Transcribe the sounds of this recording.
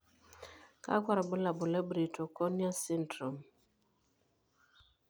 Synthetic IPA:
ka̰˦kwa˦ɾa˨bʊ˦la˨bʊ˨lɛ˦bɾi˨to˨kɔ˦nja˦si˦ntɾɔ˨m

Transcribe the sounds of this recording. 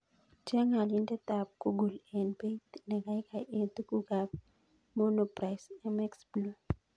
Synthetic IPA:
t͡ʃɛ˦ŋa˨li˦ndɛ˦t̪a˨p̚ku˦ɡu˨lɛ˨nbe˦t̪nɛ˨ɡa˦jkʰa˨ʔe˨t̪u˦ku˦ɡab | mo˦no˨pɾa˨jsɛmɛ˦ksblu˨

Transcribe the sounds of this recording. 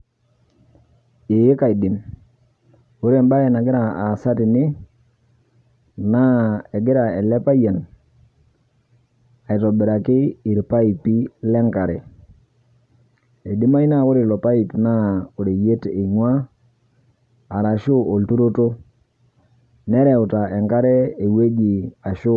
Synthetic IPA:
ɪ˨jɪ˦ka˨i˨dɪ˨m | ʊ˦ɾe˨mba˦ɛ˨na˨ɡɪ˦ɾa˨a˨sa˦tɪ˨nɪ˦ | na˦ɛ˨ɡɪ˦ɾa˨ɛ˨lɛ˦pa˦ja˨n | a˨ɪ˨tɔ˨bɪ˨ɾa˨kɪ˦i˨ɾpa˦i˨pi˦lɛ˦ŋka˨ɾɛ̰˨ | e˨di˦ma˦i˦na˦ʊ˦ɾɪ˨lɔ˨pa˦i˨pna˦ʊ˨ɾe˨je˦te˨ɲwa˦ | a˨ɾa˨ʃʊ˦o˨ltu˦ɾo˦to˦ | nɛ˦ɾɛ˨ʊ˨ta˨ɛ˨ŋka˦ɾɛ˦e˨we˦ɡi˨a˨ʃʊ˦

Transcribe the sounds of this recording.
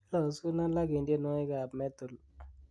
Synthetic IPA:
la˦˨su˦na˦la˦ki˨nde˦nɔ˦i˦ka˨pmɛ˦t̪u˨l

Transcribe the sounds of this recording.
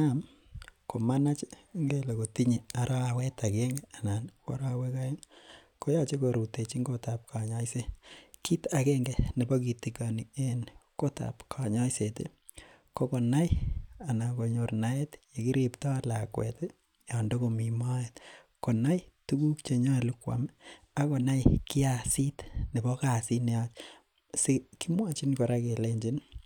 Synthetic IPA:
am | ko˨ma˦na˦t͡ʃŋɡe˦le˨ko˨ti˦ɲe˨a˨ɾʔa˦a˨we˦ta˨ke˦ŋɡea˨na˨nko̰˦ɾa˦we˦ka˦je˦n | ko˦ja˦t͡ʃe˦ko˨ɾu˨te˨t͡ʃi˦ŋɡo˦ta˨p̚kʰa˨ɲa˦jse˦ki˦ta˨kɛ˦ŋɡe˨ne˨bɔ˦ki˨tikani˨e˦nko˦ta̰˨pkʰa˨ɲa˦jsetḛ˦ | ko˦ko˨na˦ja˨na˨ko˨ɲo˨rna˦e˦tje˨ki˦ɾiptɔ˦alakwḛ˨te˦ | jando˦ko˨mi˨ma˦et | ko˨na˦jtu˦ku˦kt͡ʃe˨ɲɔ˦e˨lukwa̰m | a˦ko˨na˦jki˦asi˦tne˨bɔ˦ka˨si˦ne˨at͡ʃ | se˦ki˦mwa˦t͡ʃi˦nko˨ɾake˨leɲd͡ʒi˦n

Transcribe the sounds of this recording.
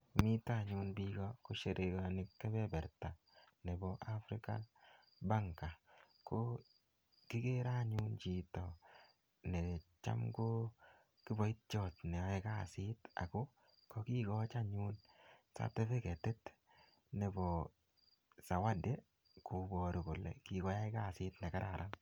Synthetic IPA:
mi˦ta˦˨ɲu˧nbi˦ɡɔ˦ko˦ʃe˨ɾʔe˨ɡa˨nɪ˦kːɛ˦bɛ˦bɛ˨ɾta˨ | ne˨bɔ˨ʔa˦fɾɪ˦ka̰˦ | ba˦ŋka˨ | kʰo˦ | ki˦ke˦ɾa˦ɲu˦nt͡ʃi˨tɔ˨ | ne˨t͡ʃa̰˦mko˦ | kɪ˦bɔ˨˦i˦t̚t͡ʃɔ˦˨tnɛ˨ɛ˦ka˦˨sɪ˦ta̰˨ko˦ | kɔ˦ki˦ɡɔ˦t͡ʃa˦ɲu˦nsa̰˦tɛ˦fe˦kɛ˨te˦t | ne˨bɔ˨ | sa˨wa˦de˦ | ko˨bɔ˨ɾʊ˨kʊ˨lɛ̰˨ki˨ɡɔ˦ja˦ka˦˨sɪ˦tnɛ˨ka˦ɾʔa˨ɾʔa˦n

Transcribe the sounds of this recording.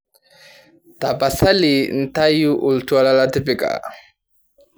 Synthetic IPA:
ta˨pa˨sa˦li˨n̩˨ta˦ju˦ʔu˨ltu˦a˦˨la˦la˦tɪ˦pɪ˨kʼa̰˨

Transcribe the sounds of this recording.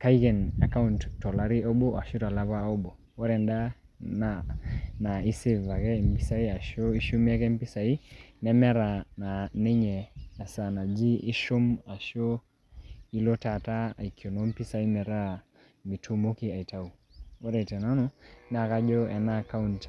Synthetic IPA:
ka˦ikɛ˨na˨ka˦unttːɔ˨la˦ɾi˦ɔ˦ɓɔ˦a˨ʃu˦ta˨la˦pa˦ɔ˦bo˨ | wɔ˦ɾɛ˨nda˦ | na˨na˨i˦se˦˨va˨kɛ˦˨mpi˦sa˦i˦a˨ʃo˦i˦ʃu˦m˦a˦kɛ˦mpi˦sa˨i˦nɛ˨ma˦ɾa˨na˨nɛ˦ɲɛː˨sa˨na˨d͡ʒi˦ʔi˦ʃo˦ma˨ʃo˦ | i˦lɔ˦ta˨ta˦a̰˨i˨kʰjo˨no˦m˦pi˦sa˨˦i˦nɛ˨ɾa˦ | mi˨tʰu˦mo˦ki˦a˨i˨ta˦u˨ | wɔ˦ɾɛ˨tɛ˨na˦nɔ˦na˨ka˦d͡ʒɔ˦ɛ˨naː˦˨ka˦unt

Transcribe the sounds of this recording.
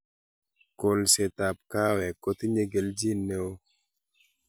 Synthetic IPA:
ko˨lse˨t̪a˨p̚ka˦wɛ˨ko˦t̪i˦ɲe˦ɡe˨ld͡ʒi˦nːe˦o˦

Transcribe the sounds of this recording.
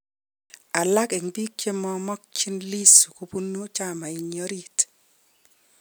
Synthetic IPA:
a˨la˦ke˨ŋbi˦k̚t͡ʃe˦mɔ˦mɔ˦k̚t͡ʃi˦nli˦su˨ku˨pu˦nːu˦t͡ʃa˦ma˨i˨ɲɔ˦ɾi˦t

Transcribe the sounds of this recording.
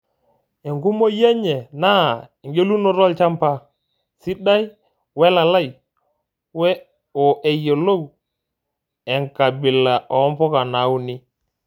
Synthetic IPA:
e˨ŋɡu˦mo˦je˦ɲe˨na˦˨i˨ŋɡe˦lu˦no˦˨ɾɔ˦lt͡ʃa˦mpa˦ | si˦ɗa˦j | we˦la˨la˦j | wɛ˦ | o˨ʔe˨je˨lo˦w | e˨ŋka˨bi˨la˨ʔɔ˨˦mpɔ˦ka˨na˨˦wu˦ni˦

